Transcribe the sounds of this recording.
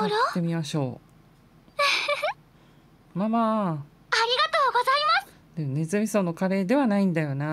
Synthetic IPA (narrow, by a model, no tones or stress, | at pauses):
ɾot̪e̞mʲimaɕo̞̰ː | maːmaː | aɾʲiɡat̪oːɡozaimasɨ̥ | d̪enezɨmʲisonokaɾe̞ːd̪e̞βanaĩnd̪ajo̞na